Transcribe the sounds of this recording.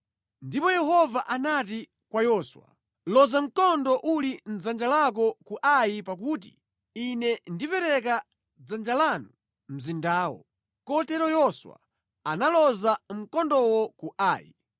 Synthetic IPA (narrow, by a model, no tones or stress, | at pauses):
ndipɔjɛɦɔvaʔanati | kwajɔswa̰ | lɔzam̩kɔndɔʔulim̩d͡zand͡ʒalak̬ɔkuʔajipak̬uːt̬ḭ | inɛndipɛɾɛk̬a | d͡zand͡ʒalaːnu | m̩zindaːwɔ̰ | kɔtɛɾɔjɔswa̰ | analɔzam̩kɔndɔwɔkuʔaːjḭ